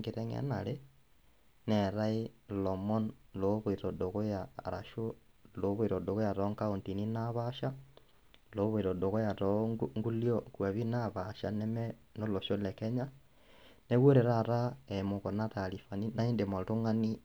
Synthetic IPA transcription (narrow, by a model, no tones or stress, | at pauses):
ŋɡeɾeŋḛnale | neɾailomonloβoiɾodoɣojaɾa̰ʃo | loβuiɾodoɣojaɾoŋkaontininaβaʃa | loβwiɾodoɣojaɾoŋɡuljokwaβinaβaʃa̰neme | noloʃolɛkeɲa | neɣwoɾeɾaɾaemokonatalifaninaindemotuŋani